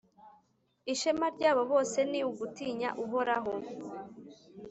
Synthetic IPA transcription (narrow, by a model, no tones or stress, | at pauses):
iʃemaɾɟaːβo̞βo̞ːse̞niuɡutiːɲa̰ʔuɦo̞ɾaɦo̞